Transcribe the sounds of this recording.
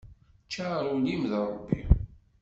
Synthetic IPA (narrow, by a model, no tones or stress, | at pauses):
t͡ʃːaɾˤulimðɾˤo̰bːḭ